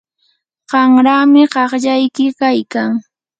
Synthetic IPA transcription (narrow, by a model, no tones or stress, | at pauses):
ɢɑŋɾaːmɪɢɑχʎajkɪkajkaŋ